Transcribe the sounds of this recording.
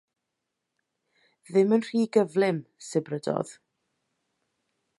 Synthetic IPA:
ðɪmənr̥iːɡəvlɪmsɪbrədɔ̰ð̥

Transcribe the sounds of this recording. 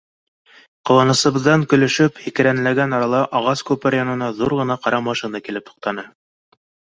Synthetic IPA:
qŏwɑnɤ̆sɤ̆βɤ̆ðːɑŋkɵ̆lɵ̆ʃɵphikɘ̆ɾænɘ̆læɡænɑɾɑlˠɑʔɑʁɑskʉpɘɾjɑnɤ̆nɑðuɾʁɤ̆nɑqɑɾɑmɑʃinɑkilɘpt̪ʰŏ̥q̚t̪ɑnɤ

